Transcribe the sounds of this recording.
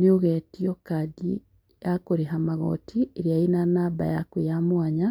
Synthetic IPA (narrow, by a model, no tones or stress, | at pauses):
nioɣetiokadḭ | jakoɾiɦamaɣo̰tʰieɾiainanaba̰ja̰kwijamwaɲa